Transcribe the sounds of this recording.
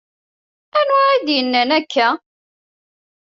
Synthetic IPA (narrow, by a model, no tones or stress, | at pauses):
ænwʕæd̪jənːənækːæ